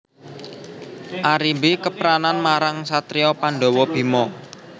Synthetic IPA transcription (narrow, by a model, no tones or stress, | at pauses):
ʔaɾimbekəpɾananmaɾaŋsat̪ɾiɔpaɳɖɔ̤wɔb̥i̤mɔ